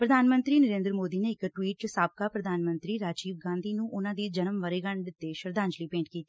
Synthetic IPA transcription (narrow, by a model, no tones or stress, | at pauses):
pɾəd̪ʱaːnmə̃nt̪ɾiːnəɾẽːnd̪əɾmoːd̪iːneːɪkʈwiːʈsaːb̚kaːpɾəd̪ʱaːnmə̃nt̪ɾiːɾaːd͡ʒiːʋɡãːnd̪iːnũːʔʊnãːd̪iːd͡ʒənəmʋəɾeːɡəɳɖɪt̪ːeʃəɾd̪ãːɲd͡ʒliːpẽːɳʈkiːt̪iː